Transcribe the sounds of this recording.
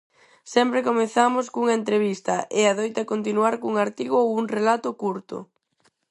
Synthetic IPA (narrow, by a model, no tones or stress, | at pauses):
sɛmpɾekomeθamʊskuŋɐent̪ɾeβ̞ist̪ɐʔeaðojt̪akont̪inuaɾkuŋaɾt̪iɣoowuŋrelat̪ʊkuɾt̪ʊ̰